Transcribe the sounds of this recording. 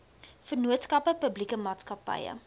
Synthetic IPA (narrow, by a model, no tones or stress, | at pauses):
fərnuətskɐpəpəblikəmɑːtskɐpɐ̰jə̰